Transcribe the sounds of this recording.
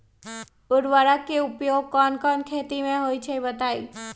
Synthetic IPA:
ʊɾʋaɾakːeʊpjoɡ̚kɔnkɔnkʰet̪imẽɦojt͡ʃʰebət̪ai

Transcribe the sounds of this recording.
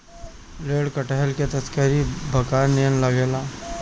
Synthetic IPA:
ɾeːɽkəʈəɦəlket̪ɐskəɾibʱəkaːnːijənləɡeːlaː

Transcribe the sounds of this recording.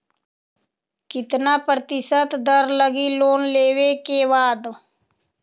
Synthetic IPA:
kɪt̪naːpɾt̪ɪsət̪d̪əɾləɡiloːnleːwekeʋaːd̪

